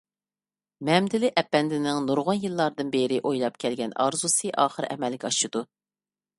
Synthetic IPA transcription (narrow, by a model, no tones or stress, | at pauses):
mɛmd̪ɪlɪʔɛpːɛnd̪ɪnɪŋnuɾʁʊnjilˠːɑɾd̪ɨnbeɾɪʔojlˠɑp̚kʲʰɛlɡʲɛnɑ̰ɾzusɨʔɑːχəɾɛ̰mɛlɡʲɛɑʃɨd̪̥u